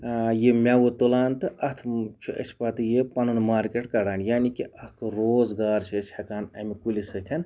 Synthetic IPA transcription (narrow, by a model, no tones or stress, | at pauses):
jemʲawut̪olaːnt̪ɨʔɐt̪ʰt͡ʃʰiʔɐ̰sʲi̥pɐt̪ɨjepɐnɨnmaːɾkʲeʈkɐɽaːnjaːnikiɐhkɨɾoːzɡaːɾt͡ʃʰiɐsʲhɐkaːnɐmikulisɨt̪ʲʰɐn